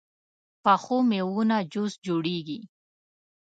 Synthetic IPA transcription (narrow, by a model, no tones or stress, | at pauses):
paxomewunad͡ʒosd͡ʒoɽeɡi